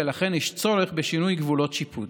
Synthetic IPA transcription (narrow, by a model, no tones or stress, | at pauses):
elaχenhiʃt͡so̞leχbeʃinujɡvulo̞tʃipʰud